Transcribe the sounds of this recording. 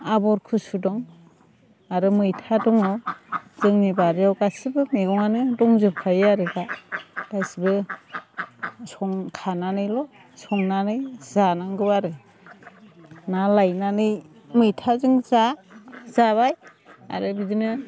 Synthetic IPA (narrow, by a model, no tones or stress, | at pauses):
abɔɾkʰɯsudɔŋ | aɾɯmɯjtʰadɔŋɔzɯŋnibaɾjawɡasibɯmeɡɔŋanɯdɔŋzɯpkʰajaɾɯɡaɡ̥ajsibɯ | sɔŋkʰananɯjlɔ | sɔŋnanɯjzanaŋɡɯwaɾɯ | nalajnanɯj | mɯjtʰazɯŋzazaβaj | a̰ɾɯbidinɯ